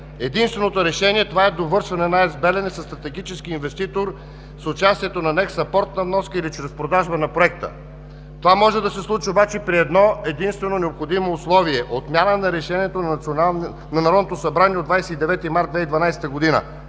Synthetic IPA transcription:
ɛd̪inst̪vɛnot̪oɾɛʃɛnʲiɛt̪ovaɛd̪ovɤɾʃvɐnɛnaɛzbɛlɛnɛsɐst̪ɾɐt̪ɛɡit͡ʃɛskiːnvɛst̪it̪oɾ | sʊt͡ʃast̪iɛt̪onɐnɛksɐpɔɾt̪nɐvnɔskəilit͡ʃɾɛspɾod̪aʒbənɐpɾoɛk̚t̪ə̰ | t̪ovamɔʒɛd̪ɐsɛslˠut͡ʃiobat͡ʃɛpɾiɛd̪nɔɛd̪inst̪vɛnonɛopxod̪imoːslˠɔviɛʔot̪mʲjanənɐɾɛʃɛnʲiɛt̪onna | nɐnɐɾɔd̪ot̪osɐbɾanʲiɛod̪vajsɛid̪ɛvɛt̪imaɾt̪d̪vɛid̪vɐnajsɛ̥t̪əɡod̪inə̰

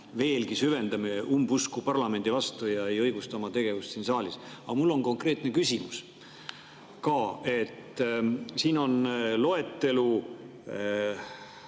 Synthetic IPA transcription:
ve̞ːlɡisyve̞nd̪ɑme̞umbuskupɑrlɑme̞nd̪̥ivɑst̪ujɑe̞jɤ̞jɡ̥ust̪ɑomɑt̪e̞ɡ̥e̞vust̪siːnsɑːlʲisɑɑmulːo̞ŋko̞ŋkɾe̞ːt̪ˑnekysʲimus | kɑːe̞t̪ːˑ | siːno̞nlo̞e̞t̪ːe̞lu

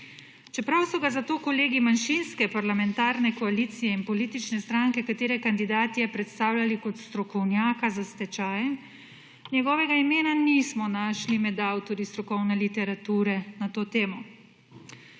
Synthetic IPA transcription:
t͡ʃɛpɾawsɔɡazat̪oːkɔleːɡimanʃinskɛpaɾlamɛnt̪aːɾnɛkɔaliːt̪sijɛinpɔliːt̪it͡ʃnɛst̪ɾaŋkɛkat̪eːɾɛkand̪id̪aːt̪iɛpɾɛt̪st̪aːwlʲalikɔt̪st̪ɾɔkɔwnjaːkazast̪ɛt͡ʃaːjɛ | njɛɡɔːʋɛɡaimeːnanismɔnaʃlimɛd̪awt̪ɔɾist̪ɾɔkɔwnɛlit̪ɛɾat̪uːɾɛnat̪oːt̪eːmɔ

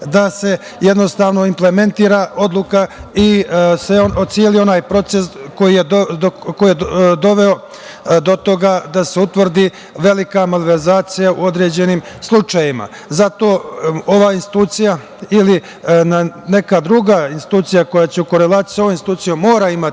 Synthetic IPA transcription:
d̪ase̞ | je̞d̪no̞st̪aːʋno̞imple̞me̞nt̪iːɾao̞d̪lˠukaiseoosielio̞naːjpɾo̞t̪se̞sko̞jijeko̞jijed̪o̞ʋeo̞ | d̪o̞t̪o̞ɡad̪ase̞ut̪ʋr̩d̪i | ʋe̞likamaliʋeɾzaːt̪sijaṵo̞d̪ɾe̞ːd͡ʑe̞niːmslˠut͡ʃajima̰ | zat̪o̞ːo̞ʋainsi̥t̪uːt̪sija | ili | nane̞kad̪ɾuɡainst̪i̥t̪uːt̪sijako̞jat͡ɕeuko̞ɾelˠaːt̪i̥jso̞ʋomnst̪i̥t̪uːt̪sijomo̞ːɾaimat̪

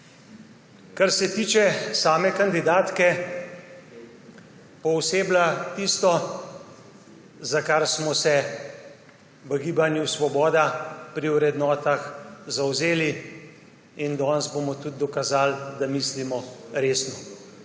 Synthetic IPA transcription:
kaɾsɛt̪iːt͡ʃɛsaːmɛkand̪id̪aːt̪kɛ | pɔwseːblat̪ist̪ɔ | zakaɾsmɔsɛ | ʋəɡiːbanjusʋɔbɔːd̪apɾiwɾɛd̪nɔːt̪axzawzeːli | ind̪ɔnzbomɔt̪ud̪̚d̪ɔkazaːld̪amislimɔɾeːsnɔ

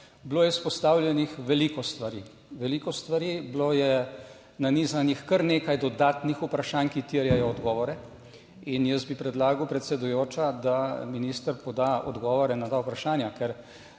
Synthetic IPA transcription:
bloːjɛspɔst̪aːwlʲjɛnixʋɛlikɔst̪ʋaɾiː | ʋɛliːkɔst̪ʋaɾiːbloːjɛ | naniːzanixkəɾneːkajd̪ɔd̪aːt̪nixupɾaʃaːnkit̪iɾjajɔːd̪ɡɔːʋɔɾɛ | injəsbipɾɛd̪laːɡəwpɾɛt̪sɛd̪ujoːt͡ʃad̪aminiːst̪əɾpɔd̪aɔ̰d̪ɡɔːʋɔɾɛnad̪aupɾaʃaːnjakɛɾ

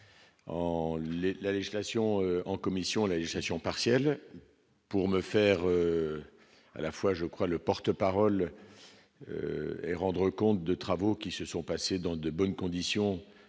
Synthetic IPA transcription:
ɑ̃lelaleʒislasjɔ̃øɑ̃kɔmisjɔ̃laleʒislasjɔ̃paʁsjɛl | puʁməfɛʁø | a̰lafwaʒəkχwaləpɔʁt̪əpaʁɔl | ø̰ɛ̰ʁɑ̃d̪ʁəkɔ̃t̪̚d̪ət̪χavokʲisəsɔ̃pased̪ɑ̃d̪əbɔnkɔ̃d̪isjɔ̃

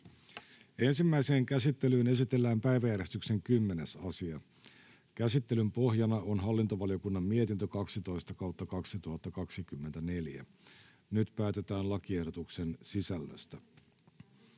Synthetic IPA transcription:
e̞nsimːæise̞ːŋkæsit̪ːe̞lyːne̞sit̪e̞lːæːmpæjʋæjæɾe̞st̪ykse̞ŋkymːe̞ne̞sɑsiɑ | kæsit̪ːe̞lympo̞ɦjɑnɑo̞nɦɑlːint̪oʋɑlijokunːɑmmie̞t̪int̪økɑksit̪o̞jst̪ɑkɑwt̪ːɑkɑksit̪uhɑt̪ːɑkɑksikymːe̞nt̪æne̞ljæ̰ | nyt̪pæːt̪e̞t̪æːnlɑkie̞hdot̪ukse̞nsisælːø̰st̪æ

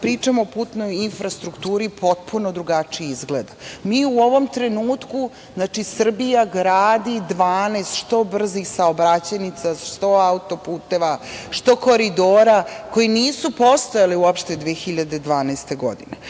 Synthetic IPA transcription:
pɾiːt͡ʂamoopuːt̪no̞jinfɾast̪ɾukt̪uːɾipo̞t̪̚pʰuno̞d̪ɾuɡat͡ʂijizɡled̪amiːuo̞ʋo̞mt̪ɾe̞nuːt̪ku | znat͡ʂisr̩bijaɡɾaːd̪id̪ʋaːneːst̪ʃt̪o̞br̩zisaobɾat͡ɕenit̪saʃt̪o̞aut̪o̞puːt̪e̞ʋaʂt̪o̞ko̞ɾid̪oːɾako̞jiniːsupost̪ojaliuopʃt̪ed̪ʋeexiʎad̪e̞d̪ʋaːnast̪e̞ɡo̞̰d̪ine

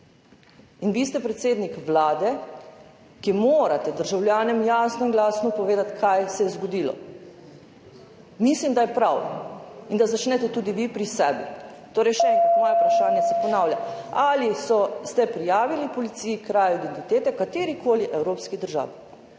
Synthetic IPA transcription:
inʋiːst̪ɛpɾɛt̪seːd̪nikʋlaːd̪ɛ | kimoːɾat̪ɛd̪əɾʒawlʲjaːnɛmjasnɔinɡlaːsnɔpɔʋeːd̪at̪kʰajsɛjɛzɡɔd̪iːlɔ̰ | mislimd̪ajɛpɾawind̪azat͡ʃnɛt̪ɛt̪uːd̪iʋipɾisɛːbḭt̪oːɾɛjʃɛɛ̃ŋkɾat̪mɔːjɛpɾaʃaːnjɛsɛpɔnaːwljaalisɔst̪ɛpɾijaːʋilipɔlit̪sijikɾaːjid̪ɛnt̪it̪eːt̪ɛkat̪eɾikoːliʔɛwɾoːpskid̪əɾʒa̰ːʋi

